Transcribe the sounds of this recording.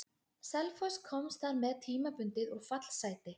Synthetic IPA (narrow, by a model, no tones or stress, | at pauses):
sɛlfɔskʰɔmst̪θaɾmɛðt̪ʰiːmapʏnt̪ɪðɔɣfat̪l̥saːjt̪ɪ